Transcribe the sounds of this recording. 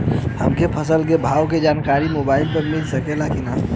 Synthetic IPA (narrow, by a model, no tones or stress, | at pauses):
həmkepʰəsəlk̬ebʱawked͡ʒankaɾimobaɪlpəɾmilsəkelakina